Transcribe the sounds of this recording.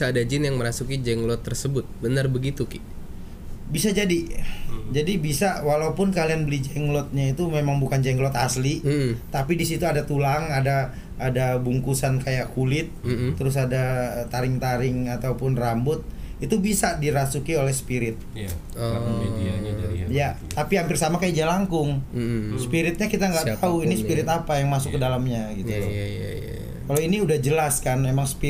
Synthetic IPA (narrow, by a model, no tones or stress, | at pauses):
bisaːdad͡ʒɪnjaŋməɾasukid͡ʒɛŋlɔt̪ːərsəbʊt̪̚bənərbəɡit̪ukɪ | bisad͡ʒadi | d͡ʒadibisawalaupʊnkalianbəlid͡ʒɛŋlɔt̪̚ɲait̪umemaŋbukand͡ʒɛŋɡlɔt̪aslim̩t̪apidisit̪uadat̪ulaŋadaː | dabuŋkusankajaʔkulɪt̪̩̚ːəɾʊs̬adat̪aɾɪŋt̪aɾɪŋat̪awpʊnrambʊt̪̚ | it̪ubisadiɾasukiolɛhsə̥piɾɪt̪̚ | jat̪apihampɪrsamakajad͡ʒalaŋkʊŋsə̥piɾɪt̪̚ɲakit̪aŋɡaʔt̪auinispiɾɪt̪apajaŋmasʊkːədalamɲaɡit̪u | kalawiniudahd͡ʒəlaskanmemaŋspi